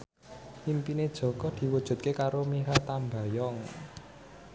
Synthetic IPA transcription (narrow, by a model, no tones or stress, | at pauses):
impined̥ʒ̥ɔ̤kɔd̪̥i̤wud̥ʒ̥ṳt̪̚kekaɾomiɦat̪amba̤jɔŋ